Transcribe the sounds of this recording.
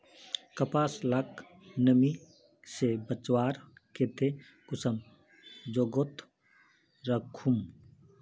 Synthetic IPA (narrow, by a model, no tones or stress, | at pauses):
kɐpaːslak | nɐmi | sebɐt͡ʃwaːɾket̪ʰe | kʊsɐm | d͡ʒoɡot̪ | ɾɐkʰum